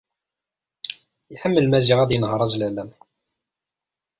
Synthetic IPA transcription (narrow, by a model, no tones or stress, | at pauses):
jħəmːəlmæziʁæd̪jnəhɾˤɑzlæmæm